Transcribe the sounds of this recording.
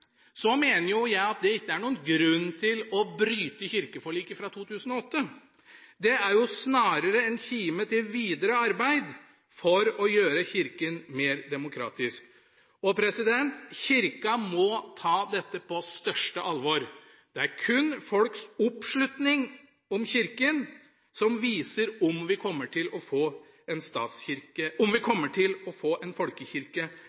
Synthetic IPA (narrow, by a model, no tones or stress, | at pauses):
sɔmeːnəɾjʊjæɪɑt̪̚d̪ɛɪkːəæɳuːənɡɾʉnːt̪ʰɪlɔbɾyːt̪əçɪɾkəfɔɭiːkəfɾɑt̪ʰuːt̪ʰʉːsənɔɔt̪ːə | d̪ɛæɾjʊsnɑːɾəɾəɛnçiːmət̪ɪlʋiːd̪əɾəɑɾbæɪd̪ | fɔɾɔjøːɾəçɪɾkənmeːɾd̪ɛmʊkʰɾɑ̰ːt̪ɪsk | ɔpʰɾɛsɪd̪ɛnt̪çɪɾkɑmɔt̪ʰɑːd̪ɛt̪ːəpʰɔst̪œʂʈəʔɑlʋɔɾ | d̪̥ɛæɾkʰʉnfɔlksʊpːʂɭʉt̪nɪŋ | ɔmçɪɾkən | sɔmʋiːsəɾʊmʋɪkʰɔmːəʈʰɪlɔfoː | ɛnst̪ɑ̰ːt̪sçɪɾkəʊmʋɪkʰɔmːəʈʰɪlɔfoːʔɛnfɔlkəçɪɾkə